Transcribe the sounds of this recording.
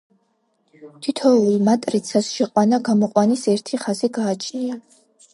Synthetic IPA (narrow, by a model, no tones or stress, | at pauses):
t̪ʰit̪ʰɔulˠmat̪ʼɾit̪sʰasʃɛqʼwanaɡamɔqʼwanisɛɾt̪ʰiχaziɡaːt͡ʃʰnia